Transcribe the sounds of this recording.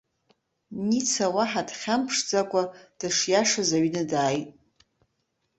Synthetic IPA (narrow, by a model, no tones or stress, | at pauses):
nit͡sʰawaħadχʲampʰʂd͡zakʷʼad̥aʂjaʂazaɥnadaːjtʼ